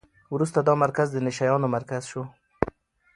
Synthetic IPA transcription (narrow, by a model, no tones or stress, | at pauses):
wɾust̪ad̪ɑmaɾkazd̪ənɪʃajɑnomaɾkaz̥ʃo